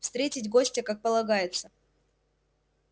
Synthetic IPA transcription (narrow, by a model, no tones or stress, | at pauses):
fst̪ɾʲetʲɪtʲɡo̞sʲtʲəkak̚pəlˠɐɡajɪt̪sə